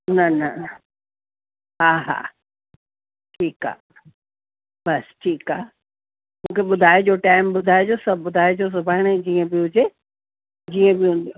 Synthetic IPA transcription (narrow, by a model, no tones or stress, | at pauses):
nɐnɐ | ɦaːɦa̰ː | ʈʰiːka̰ː | bɐsʈʰiːkaː | mũːkʰeɓʊd̪ʱaːed͡ʑoːʈaːɪmɓʊd̪ʱaːed͡ʑosɐbʱɓʊd̪ʱaːed͡ʑos̬ʊbʱaːɪɽ̃ed͡ʑiːə̃bɪɦʊd͡ʑe | d͡ʑiːə̃bɪɦũːn̆d̪ijo